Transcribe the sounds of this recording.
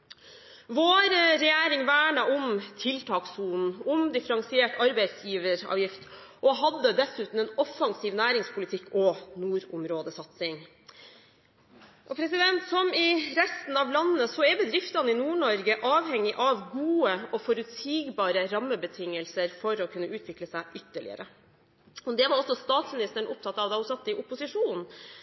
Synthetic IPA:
ʋoːɾəɾɛjæːɾɪŋʋæːɳɑʔʊmt̪ʰɪlt̪ʰɑːksuːnn̩ʊmd̪ɪfəɾɑŋsɪeːʈɑɾbæɪt̪sjiːʋəɾɑ̰ːʋjɪft̪ | ʔɔɦɑd̪ːəd̪ɛsʉːt̪n̩ɛnɔfːɑŋsiːʋnæːɾɪŋspʰʊlɪt̪ʰɪkːɔnuːɾʊmɾoːd̪əsɑt̪sɪŋ | ʔɔpʰɾɛsɪd̪ɛnt̪sɔmɪɾɛst̪n̩ɑʋlɑnːəsɔɛbəd̪ɾɪft̪ɑnɪnuːɳɔɾɡəʔɑːʋhɛŋːɪʔɑʋɡuːəɔfɔɾʉt̪siːɡbɑːɾəɾɑmːəbət̪ʰɪŋːəlsəɾfɔɾɔkʰʉnːəʉːt̪ʰʋɪkləsæɪʔʏt̪ːəɭɪ̰ə̰ɾə | ɔd̪ɛʋɑɾɔsːɔst̪ɑːt̪smɪnɪst̪əɳ̩ʊp̚t̪ʰɑt̪ːɑʋd̪ɛʊsɑt̪ːɪʔʊpʊsɪʂuːnn̩

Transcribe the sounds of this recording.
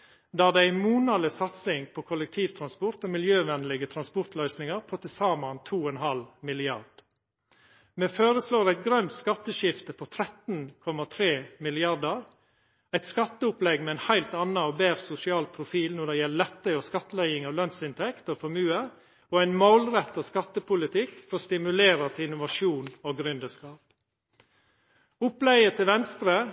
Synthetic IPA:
d̪æːd̪ɛæɪmuːnɑdləsɑt̪sɪŋpʰoːkʰɔlək̚t̪ʰiːʋt̪ʰɾɑnspɔɾt̪oːmɪljøːʋɛnlɪɡət̪ʰɾɑnspɔɾt̪lœʏsnɪŋəɾpʰoːt̪ʰɪsɑːmɑnt̪ʰuːɛnɦɑlmɪlɪɑ̰ɾd̥ | meːføːɾəsloːɾæɪt̪̚ɡɾœnt̪skɑt̪ːəʃɪft̪əpʰɔt̪ʰɾɛt̪n̩kʰɔmɑt̪ʰɾeːmɪlɪɑɾdɑɾ | æɪt̪skɑt̪ːəʊplɛɡmɛɛɪnhæɪlt̪ɑnːɑoːbeːɾsʊsɪɑːlpʰɾʊfiːlnɔd̪ɛjɛllɛt̪ːəɔːskɑt̪ːəlæɪɪŋɑʋlœnsɪnt̪ʰɛkt̪oːfɔmʉːə | oːæɪnmolɾɛt̪ːɑskɑt̪ːəpʊlɪt̪ʰɪkːfɔst̪ɪmʉleːɾɑt̪ɪnʊʋɑʃuːnoːɡɾʉnd̪əskɑːp | ʊplæɪət̪ʰɪlʋɛnst̪ɾə

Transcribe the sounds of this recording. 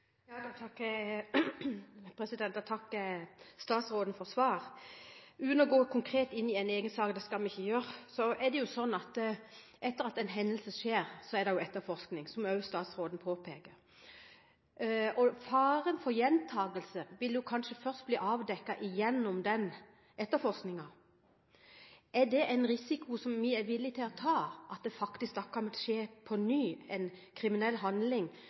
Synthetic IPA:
jɑːd̪t̪ʰɑkː | pʰɾɛsɪd̪ɛnt̪ɑt̪ʰɑkː | st̪ɑːt̪sɾoːd̪n̩fɔsʋɑːɾ | ʉːnɔɡoːkʰʊŋkʰɾeːt̪ɪnːɪɛɪneːɡənsɑːkd̪ɛskɑlmɪçːəjøːɾsɔɛd̪ɛjʊsɔnːɑt̪ | ʔɛt̪ːəɾɑt̪ɛɪnɦɛnːəlsəʂeːɾsɔɛd̪ɛjʊɛt̪ːəɾfɔʁsknɪŋsɔmœʉst̪ɑːt̪sɾoːd̪n̩pʰoːpʰeːkəɾ | ɔfɑːɾənfɔɾjɛnt̪ʰɑːɡəlsəʋɪljʊkʰɑnʂəfœʁst̪̚bliːʔɑːʋd̪ɛkːɑʔɪjɛnːʊmd̪ɛn | ɛt̪ːəfɔʁsknɪŋɑ | ʔɛɖ̪ɛʔɛɪnɾɪsɪkʊsɔmʋɪɛɾʋɪlːɪt̪ʰɪlɑt̪ʰɑːʔɑt̪̚d̪ɛfɑkt̪ɪsk̚d̪ɔkʰːɑnt̪ʂeːpʰɔnyːɛɪnkʰɾɪmɪnɛlːɦɑnd̪lɪŋ

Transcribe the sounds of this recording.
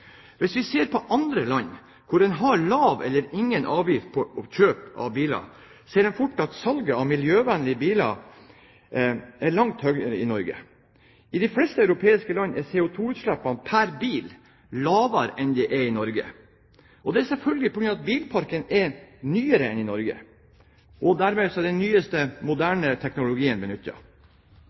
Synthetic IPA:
ʋɪsʋɪseːɾpʰɔʔɑnd̪ɾəlɑnː | kʰʊɾɛnɦɑɾɭɑːʋɛ̰lːəɾɪŋːənʔɑːʋjɪft̪̚pʰɔɔçøːpɑ̰ʋbiːlɑ̰ | seːɾɛnfʊʈːɑt̪sɑlɡəɑʋmɪljøːʋænlɪəbiːlɑ̰ | æɭɑŋt̪hœɡəɾəɪnɔɾɡə̰ | ɪd̪ɪflɛst̪əœʉɾʊpʰeːɪskəlɑnːɛseːʊt̪ʰuːʉːt̪ʂlæpːɑnpʰæɾbiːl | lɑːʋɑɾɛnd̪ɛʔɛɪnɔɾɡə̰ | ʔɔd̪ɛæɾsɛlfœlɡəɡɪpʰɔɡɾʉnːɑt̪̚biːlpʰɑɾkənɛɾnyːəɾəɛnɪnɔɾɡə̰ | ʔɔd̪æɾmeːsɔɛd̪ɛnːyːəst̪əmʊd̪æːɳət̪ʰɛknʊlʊɡiːənbɛnʉt̪ːɑ̰

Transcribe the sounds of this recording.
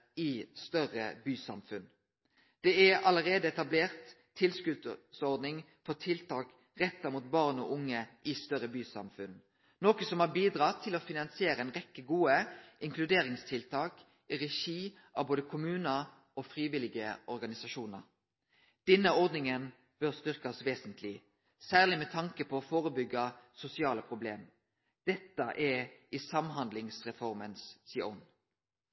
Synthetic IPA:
ɪst̪œʁə̰byːsɑ̰mfʉn | d̪̥ɛɛɑləʁeːd̪əɛt̪ɑbleːʁt̪ʰː | ɪlskʉd̪sɔʁd̪nɪŋ | fɔt̪ʰɪlt̪ʰɑːk | ʁɛt̪ːɑmut̪̚bɑʁnɔ̰ʔʊŋːəʔɪst̪œʁəbyːsɑ̰mfʉn | noːkəsɔmhɑbiːd̪ɾɑt̪ʰɪlɔfɪnɑnsɪeːɾəɛnʁɛkːəɡuːəʔɪŋklʉd̪eːʁɪŋst̪ʰɪlt̪ʰɑːk | ʁɛʃiː | ʔɑ̰boːd̪əkʰʊmʉːnə | ɔfʁiːʋɪlɪɡəʔɔɾɡɑnɪsɑʃuːnə̰ʁ | d̪̥ɛnːəɔʁd̪nɪŋən | b̥œʁst̪ʏʁkɑsʋeːsənt̪ʰlɪ | sæːʁlɪmɛt̪ʰɑŋkəpʰɔːfoːʁəbʏɡːɑsʊsɪɑːləpʰʁʊblḛːm | d̪̥ɛt̪ːəʔɛɪsɑmɦɑnd̪lɪŋsʁɛfɔɾmənssḭːʊn

